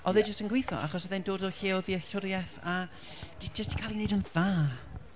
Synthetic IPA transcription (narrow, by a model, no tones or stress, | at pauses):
ʔɔðɨd͡ʒəstənɡwejθɔ̰ʔa̰χɔsəðendoːdɔɬiːɔðiɛɬʊɾjɛθa | d̥id͡ʒəstkʰaːlˠinejdənðaː